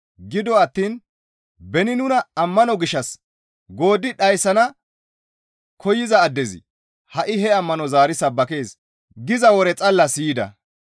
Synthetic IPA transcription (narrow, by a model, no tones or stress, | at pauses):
ɡɪd̪ɔɐt̪ːiːn | bɛnɪnʊnɐɐmːɐnɔɡɪʃːɐs | ɡo̞ːd̪ɪɗɐjsɐnɐ | kʰɔjɪzɐːd̪ːɛzɪ̰ | hɐʔɪɦɛɐmːɐnɔzaːɾɪsɐbːɐke̞ːs | ɡɪzɐwɔɾɛt͡sʼɐlːɐsiːd̪ɐ̰